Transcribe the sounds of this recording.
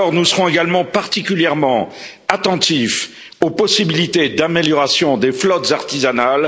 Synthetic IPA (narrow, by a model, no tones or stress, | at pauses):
ɔʁnusəʁɔ̃eɡalmɑ̃paʁt̪ikʲyljɛʁmɑ̃ | at̪ɑ̃t̪if | opɔsibilit̪ed̪ameljɔʁasjɔ̃d̪eflɔt̪zaʁt̪izanal